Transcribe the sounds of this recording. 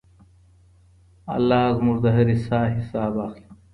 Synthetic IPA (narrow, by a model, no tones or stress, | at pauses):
ɐ̰lːaːzmuʐd̪ɐɦɐɾisaːɦisaːbaːxli̥